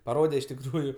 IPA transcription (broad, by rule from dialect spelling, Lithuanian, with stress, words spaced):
pɐˈroːdʲɛ ɪʃ tʲɪkˈruːjʊ